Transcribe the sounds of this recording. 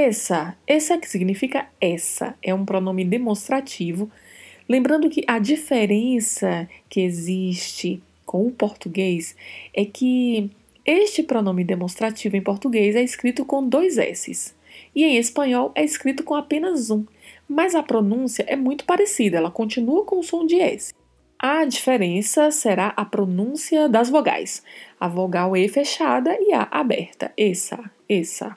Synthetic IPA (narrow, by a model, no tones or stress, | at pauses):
ɛsɐɛsɐkɪ̥siɡnifikɐɛsɐ̰ɛũpɾɔnõmɪd̪emõst̪ɾat͡ʃivʊ | lẽmbɾɐ̃nd̪ʊkɪʔɐd͡ʒifeɾẽsɐkɪeziʃt͡ʃɪ | kõw̃ʊpoɾt̪uɡejsɛkɪ | eʃt͡ʃɪpɾonõmɪd̪emõst̪ɾat͡ʃivʊẽj̃poɾt̪uɡejzɛiskɾit̪ʊkõd̪ojzɛ̰sɪ̰s | iẽj̃espɐ̃ɲɔwɛɪskɾit̪ʊkõapẽnɐzũ | mɐzɐpɾonũsiɐʔɛmũj̃t̪ʊ̥paɾesid̪ɐɛlɐkõnt͡ʃĩnuɐkõʊsõd͡ʒɪɛ̰sɪ̥ | ʔɐd͡ʒifeɾẽsɐseɾaʔɐpɾonũsiɐd̪ɐzvoɡa̰jsɐvoɡawɛfeʃad̪ɐia̰ʔabɛ̰ɾt̪ɐ̰ɛsɐ | ɛsɐ̰